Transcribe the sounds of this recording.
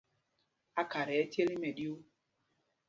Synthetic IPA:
a˦ka˨ɾɛ˨ɛ˦te˦li˦mɛ˨ɗi˦o˦

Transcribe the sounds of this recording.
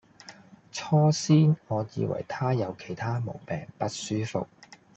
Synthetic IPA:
t͡sʰɔː˥siː˥nŋɔː˨˧jiː˨˧wɐ̰˨˩jt̪ʰaː˥jɐ˨˧wkʰe˨˩jt̪ʰaː˥mo˨˩wpɛː˨˩ŋpɐ˥t̚syː˥fʊ̰˨k̚

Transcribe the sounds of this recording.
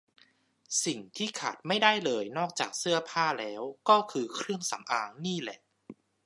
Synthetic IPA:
si˨˩ŋt̪ʰiː˥˩kʰa̰˨˩t̪̚ma˥˩jda˥˩jlɤː˧jnɔː˥˩k̚t͡ɕa̰ː˨˩k̚sɯ˥˩ɐpʰaː˥˩lɛː˦˥wkɔː˥˩kʰɯː˧kʰɾɯ˥˩əŋsa̰˩˦mʔaː˧ŋniː˥˩lɛ̰˨˩ʔ

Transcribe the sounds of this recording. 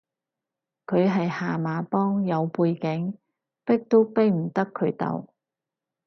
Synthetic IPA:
kʰɵ˨˧ɥɦɐ˨jhaː˨maː˨˧pɔː˥ŋjɐ˨˧wpuː˧jkɪ˨˥ŋ | pɪ˥k̚t̪o˥wpe˥jm̩˨˩t̪ɐ˥kʰɵ˨˧ɥt̪ɐ̰˨w

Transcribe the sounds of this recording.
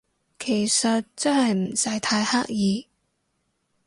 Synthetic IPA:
kʰe˨˩jsɐ˨t̚t͡sɐ˥nhɐ˨jm̩˨˩sɐ˧˥jt̪ʰaː˧jhaː˥k̚jiː˧

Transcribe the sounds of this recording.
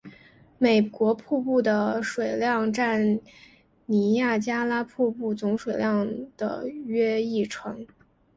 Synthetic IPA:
me˨˩ɪkwɔ˧˥pʰu˥˧pu˥˩d̪ə˩ʂwe˨˩ɪljɑ˥˧ŋʈ͡ʂa˥˩n | ni˧˥ja˥˩t͡ɕja˥la˥pʰu˥˧pu˥˩t͡sʊ˧˥ŋʂwe˨˩ɪljɑ˥˩ŋd̪̥ə̰˩ɥɛ˥i˥˩ʈ͡ʂʰɤ˧˥ŋ

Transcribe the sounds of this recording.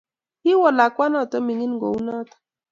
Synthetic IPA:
i˦wɔ˨la˨kʷa˦nɔ˦˨tɔ˦mi˨ŋi˦n˦ɡo̰˨wu˦nɔ˦tḁ˨

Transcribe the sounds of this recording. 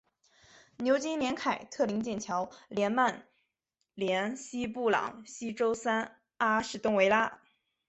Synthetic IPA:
njo˧˥ʊt͡ɕi˥ljɛ˧˥nkʰa˨˩ɪt̪ʰɤ˥˩li˧˥ŋt͡ɕjɛ˥˩nt͡ɕʰjɑ˧˥ʊljɛ˧˥nma˥˩n | ljɛ˧˥nɕi˥pu˥˩lɑ̰˨˩˦ŋɕi˥ʈ͡ʂo˥ʊsa˥n | a˥ʂɻ̩˥˩t̪ʊ˥ŋwe˧˥ɪla˥

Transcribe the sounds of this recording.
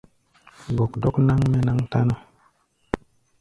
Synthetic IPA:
ɡo˨kdo˦kna˦ŋme˦na˦ŋta˦no˦

